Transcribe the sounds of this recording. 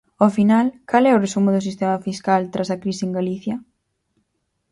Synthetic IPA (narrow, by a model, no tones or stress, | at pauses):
ofinalkalɛʊresumʊðʊsist̪emɐfiskalt̪ɾʔasɐkɾisɪeŋɡaliθjɐ